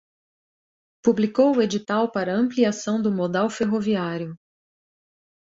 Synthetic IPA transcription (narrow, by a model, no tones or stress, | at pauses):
publikowʊed͡ʒit̪awpaɾɐɐ̃mpliasɐ̃w̃d̪ʊmod̪awfeɦoviaɾjʊ